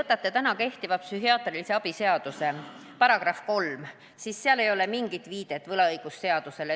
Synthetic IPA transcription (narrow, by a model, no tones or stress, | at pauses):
ɤt̪ːˑɑt̪ːˑe̞t̪ænɑke̞ht̪ivɑpsyɦiɑːt̪rilise̞ɑb̥ise̞ɑd̪̥use̞ | pɑɾɑɡ̥rɑfko̞lm | sisːeɑle̞jo̞le̞miŋɡ̥it̪viːd̪̥e̞t̪ːˑvɤlɑɤjɡ̥usːe̞ɑd̪̥use̞le